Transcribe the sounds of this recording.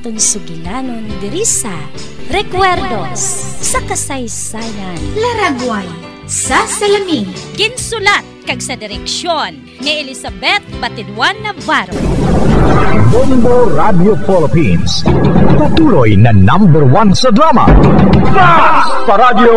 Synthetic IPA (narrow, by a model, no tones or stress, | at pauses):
t̪ʊŋsʊɡɪnanond̪ɪɾisa | ɾɛkwɛɾd̪osːɐkɐsɐjsajɐnlɐɾaɡwaj | sasɐlɐminɡɪnsʊlat̪̚kɐɡsɐd̪ɪɾɛkʃonːɪɛlɪsɐbɛt̪̚bɐt̪ɪd̪wanːɐbaɾo | bɔmboɾad̪jofɛlɪpḭnst̪ɐt̪uːɾojnɐnãmbɛɹwansɐd̪ɾamɐ̰ | a | sɐɾad̪jo